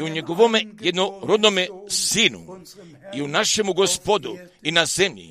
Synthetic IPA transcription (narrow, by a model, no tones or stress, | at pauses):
uɲeɡoʋomejed̪noɾod̪nomesiːnṵ | iunaʃe̞muɡospod̪u | inazemʎḭ